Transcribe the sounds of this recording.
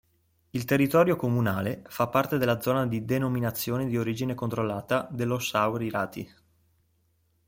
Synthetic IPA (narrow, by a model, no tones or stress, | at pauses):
ilt̪erːit̪ɔːɾjokomunaːlefapːart̪ed̪elːad̪zɔːnad̪id̪enominat̪sːjoːned̪ioɾiːd͡ʒinekont̪ɾolːaːt̪ad̪elːosawɾiɾaːt̪ḭ